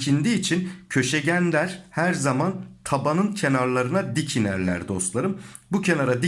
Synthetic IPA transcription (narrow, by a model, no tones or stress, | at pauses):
cʰind̪iːt͡ʃʰincʰø̞ʃɛɟænd̪æɾ̥hæɾzamant̪ʰabanɯncʰe̞naɾlˠaɾɯnad̪icʰinæɾlʲæ̰ɾd̪o̞slˠaɾɯmbucʰe̞naɾad̪i